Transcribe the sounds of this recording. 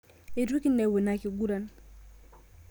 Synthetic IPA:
e˨ɾwu˦ki˦nɛ˨we˨na˨ki˨ɡu˦ɾa˨n

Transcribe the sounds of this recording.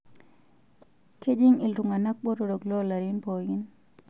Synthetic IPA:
ke˦d͡ʒi˦ŋi˨lɾu˨ŋa˨na˦k̚ɓo˦ɾoɾo˨ɡlo˦la˨ɾinpo˨ɡi˦n

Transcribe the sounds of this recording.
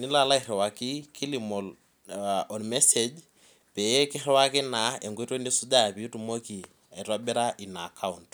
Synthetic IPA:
nɪ˦la˦la˦iɾɛ˨wa˨ki˦ki˦li˨mɔ˨l | ɔ˨nmɛ˦se˨d͡ʒ | pɛ˨je˦kɪ˦ɾɛ˦wa˦kɪ˦na˨e˨ŋɡwe˦ɾo˦ni˦su˦da˦˨pi˨˦tu˦mo˦ki˨ | a˨ɾa˦bɛ˦ɾa˦ʔi˨na˨kʰa˦unt

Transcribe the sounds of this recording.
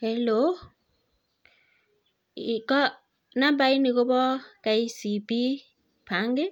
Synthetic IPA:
hɛ˨lo˨˦ | i˨kɔ˦ | na˦ba˦i˦ni˨kɔ˦bɔ˦ka˨i˦si˨bi˦ | pʰa˨˦ŋɡe˦

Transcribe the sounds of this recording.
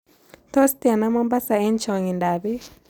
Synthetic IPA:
t̪ɔ˦st̪i˨a˨na˦mɔ˦mba˦sa˨e˦nt͡ʃɔ˨ŋi˨nda˨βi˦

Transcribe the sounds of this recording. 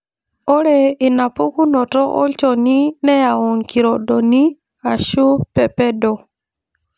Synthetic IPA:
o˦ɾɛ˨ɪ˨na˨po˦ku˦nɔ˨tɔ˦ʔɔ̰˦lt͡ʃɔ˨ni˦nɛ˦ja˨ɔ˨ŋki˨ɾɔ˨do˨ni˦ | a˨ʃu˦pɛ˦pɛ˦dɔ˨

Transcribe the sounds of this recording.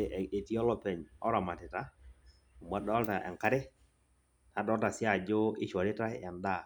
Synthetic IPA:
e˨ti˦ɔ˦lɔ˦pɛ˨ɲɔ˦ɾa˨ma˨tɪ˨ta˦˨ | m˨a˦dɔ˦lta˨ʔɛ̰˨ŋka˦ɾe˦ | na˨˦dɔ˦lta˨sja˦˨d͡ʒo˦ɪ˦ʃwa˨ɾɪ˦ta˦ɛ˨nda˦˨

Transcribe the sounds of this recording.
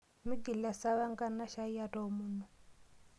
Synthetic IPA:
mi˦ɡi˨la˨sa˦βa˦ŋɡa˦na˦ʃa˦i˦a˦tɔ˨munu˨

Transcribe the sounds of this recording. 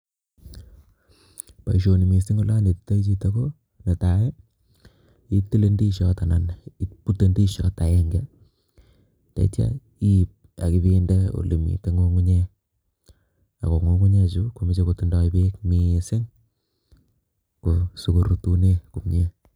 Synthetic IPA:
pa˨i˨ʃo˨ni˨mi˨sɪ˦ŋo˦la˦ne˨ti̥˦ta˦i˦t͡ʃi˦ta˦ko˦ | ne˨ta˨ɛ˦ | i˦ti˦le˦ndi˦ʃjɔ˦ta˨na˨ni˦pu˦te˦ndi˦ʃjɔ̰˦ta˨jɛ˦ŋɡɛ˦ | ta̰˨ḭ˦tja̰˦ | i˦˨p̚ | a˨kɪ˦bi˦nde˦o̰˨lḛ˨mḭ˨te˦ŋo˦ŋu˦ɲe˦ | a̰˨ko˨ŋo˦ŋu˦ɲe˦t͡ʃu˦ku˨mi˦t͡ʃe˦ko˨tu˦ndɔ˦i˦be˦kmi˨sɪ˦ŋ | ku˨su˨ku˨ɾu˦tu˦ne˦ku˨mɲe˦

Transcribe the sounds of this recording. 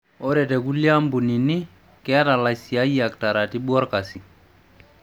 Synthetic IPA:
o˦ɾɛ˨te˨ku˦lja˦mbu˨ni˨ni˦ | kɛ˦a˦ta˨la˨si˨a˦ja˨k̚ta˨ɾa˨ti˦ɓu˦ɔ˦ɾka˨si˨

